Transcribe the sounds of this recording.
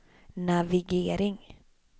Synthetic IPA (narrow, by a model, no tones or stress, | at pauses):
naviɡeːɾɪŋ